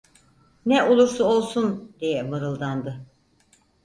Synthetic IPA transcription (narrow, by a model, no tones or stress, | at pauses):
nɛʔo̞lˠuɾsuo̞lˠsund̪ejɛmɯɾɯlˠd̪and̪ɯ